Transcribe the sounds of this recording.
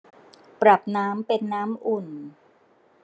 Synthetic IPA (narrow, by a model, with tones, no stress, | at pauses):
pɾa˨˩p̚naː˦˥mpe˧nːaː˦˥mʔu˨˩n